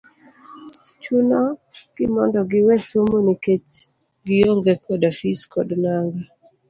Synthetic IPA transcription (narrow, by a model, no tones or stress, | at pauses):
t͡ʃunɔɡ̥ɪmɔndɔɡɪwɛsomoniket͡ʃ | ɡɪjoŋɡekʰɔdafiskʰɔ̰dnaŋɡa